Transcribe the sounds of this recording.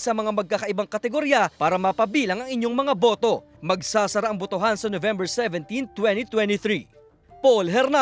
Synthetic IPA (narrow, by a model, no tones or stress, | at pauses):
sɐmɐŋamɐɡ̚kakɐʔɪbaŋkɐt̪ɛɡoɾjapaːɾɐmɐpɐbiːlɐŋɐŋɪɲjo̞ŋmɐŋabo̞ːt̪o̞ | mɐɡ̚saːsɐɾaʔɐŋbot̪oɦansɐnovɛmbɛɹsɛvɛ̃nt̪int̪wɛnt̪it̪wɛnt̪iθɾi | polɦɛɾna